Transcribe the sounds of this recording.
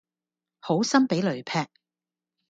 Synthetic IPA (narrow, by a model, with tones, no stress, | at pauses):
ho˨˥wsɐ˥mpe˨˥jlɵ˨˩ɥpʰɛː˧k̚